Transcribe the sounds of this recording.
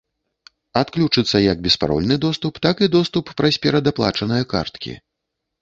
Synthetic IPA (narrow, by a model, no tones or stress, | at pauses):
at̪klʲut͡ʂɨt̪sːɐjɐɡ̚bʲɛspaɾɔ̰lʲnɨd̪ɔst̪upt̪akid̪ɔst̪upːɾɐsʲpʲɛɾɐd̪aplˠa̰t͡ʂɐnɨjɐka̰rt̪kʲḭ